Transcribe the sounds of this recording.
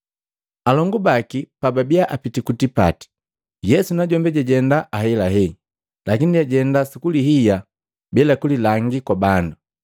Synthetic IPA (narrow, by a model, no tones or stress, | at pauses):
alɔŋɡubakipababiaʔapitikutipa̰ti̥ | jɛsunaɟɔmbɛɟaɟɛndaʔaɦɛlaɦɛ | lakiniaɟɛndasikuliɦija | bɛlakulilaŋɡikwabandu